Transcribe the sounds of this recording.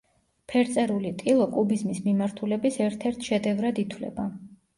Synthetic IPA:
pʰɛɾt̪sʼɛɾulit̪ʼilˠɔkʼubizmismimaɾt̪ʰulɛbisɛɾt̪ʰɛɾt̪ʰʃɛd̪ɛvɾad̪it̪ʰwlɛ̰ba

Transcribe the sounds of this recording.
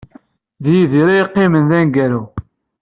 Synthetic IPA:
ðjiðiɾajiqːɪmənðænɡæɾa

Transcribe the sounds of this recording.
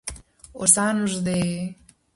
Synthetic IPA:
osanuʒd̪e

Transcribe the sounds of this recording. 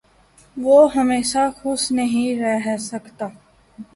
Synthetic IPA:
ʋoːɦɐmeːʃaxʊʃnɐɦĩɾɛɦsɐkt̪aː

